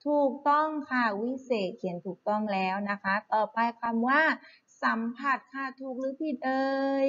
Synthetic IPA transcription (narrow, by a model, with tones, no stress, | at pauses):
t̪ʰuː˨˩k̚t̪ɔ˥˩ŋkʰa˧˩wi˦˥seː˨˩t̪̚kʰi˨˩˦ənt̪ʰuː˨˩k̚t̪ɔ˥˩ŋlɛː˦˥wna˦˥kʰa˦˥t̪ɔː˨˩pa˧jkʰa˧mwaː˥˩ | sa˩˦mpʰa˨˩t̪̚kʰa˧˩t̪ʰuː˨˩k̚lɯː˨˦˥pʰi˨˩t̪̚ʔɤː˧j